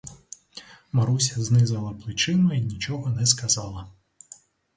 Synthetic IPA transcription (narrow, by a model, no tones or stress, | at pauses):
maɾusʲɐznɨzɐlˠɐplʲˠit͡ʂɨmɐinʲit͡ʂɔɣɐnɛskazalˠɐ